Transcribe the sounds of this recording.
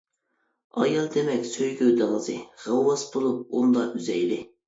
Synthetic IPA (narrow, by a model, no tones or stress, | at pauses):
ɑ̰jɑlˠd̪emɛkʲsøjɡʲøwd̪ɑlˠəzɨʁəwːɑsbolˠup̚und̪ɑʔyzɛ̰jlɪ